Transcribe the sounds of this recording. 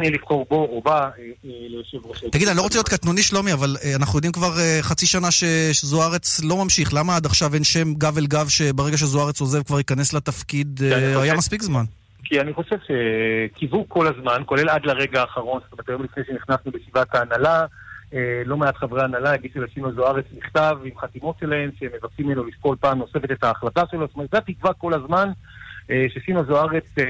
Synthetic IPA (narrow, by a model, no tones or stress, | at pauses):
niɛlivχo̞ʁbo̞obalojoʃevʁoʃet̪aɡid̪anilooelijot̪kat̪nuniʃlomiavalanaχnujo̞d̪imkvaʁeχat͡siʃanaʃe̞zoaʁet͡slo̞mamʃiχlamaad̪aχʃavenʃe̞mɡavelɡavʃe̞beʁeɡaʃ̬ezoaʁet͡soze̞vkvaʁikane̞slat̪afkid̪ajamaspikzman | kianiχo̞ʃevʃekʰivuko̞lazmanko̞le̞lad̪laʁe̞ɡaːχaʁo̞nstomeʁt̪ajo̞mlifnejʃeniχnasnuleʃivataːnalaelo̞meat̪χaveanalaeɡiʃuleʃimazoaʁet͡sniχt̪avimχat̪imo̞tʃelahe̞mʃeemːevaksimːenolifpolpaːmnose̞fe̞t̪et̪aːχlat̪aʃe̞lost̪ometzat̪ikvako̞lazman | eʃesimazoaʁet͡s